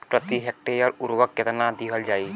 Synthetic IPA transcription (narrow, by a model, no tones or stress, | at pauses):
pɾət̪iɦɛk̚ʈejəɾuɾwəkːet̪nad̪iɦəld͡ʒaːi